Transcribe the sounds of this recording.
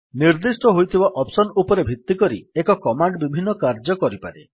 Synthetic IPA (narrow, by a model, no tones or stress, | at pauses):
niɾd̪isʈɔɦojt̪ʰibaʔɔpsɔnupɔɾebʱit̪ːikɔɾḭekɔkɔmaɳɖbibʱinːɔkaɾd͡ʒɔkɔɾipaɾe